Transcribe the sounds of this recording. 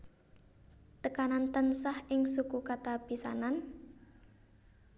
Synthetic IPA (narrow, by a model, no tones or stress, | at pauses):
t̪əkanant̪ənsahʔɪŋsukukat̪ab̥isa̰nan